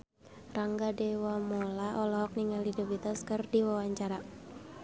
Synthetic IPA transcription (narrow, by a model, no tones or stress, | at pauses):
raŋɡadɛwamɔlaʔɔlɔɦɔk̚niŋalidɔbit̪askɨrdiwawaɲt͡ʃaɾa